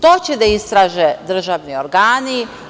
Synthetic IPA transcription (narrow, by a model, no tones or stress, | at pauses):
t̪ot͡ɕed̪aist̪ɾaːʒed̪ɾ̩ʒaːʋnioɾɡaːni